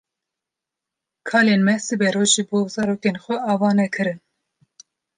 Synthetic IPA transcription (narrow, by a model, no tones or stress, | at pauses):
kʰɑːleːnmɛsɨbɛɾoːʒɨboːzɑɾoːkenxʷɛɑːvɑːnɛkʰɨɾɨn